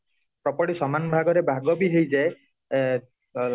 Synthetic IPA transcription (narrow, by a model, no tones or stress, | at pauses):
pɾɔpɔʈisɔmanbʱaɡɔɾebʱaɡɔbiɦejd͡ʒae